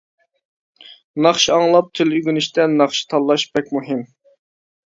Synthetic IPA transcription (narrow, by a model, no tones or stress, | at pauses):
nɑχʃiɑŋlˠɑp̚t̪ʰɪlyɡʲynɪʃt̪ʰɛnɑχʃi̥t̪ʰɑlˠːɑʃbɛkʲmuɦɪm